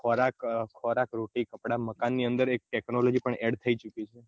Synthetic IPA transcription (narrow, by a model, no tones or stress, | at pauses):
kʰɔɾakkʰːɔɾakɾoʈikəpɽaməkanːiənd̪əɾek̚ʈɛknolod͡ʒipəɳɛɽt̪ʰəit͡ʃukit͡ʃʰe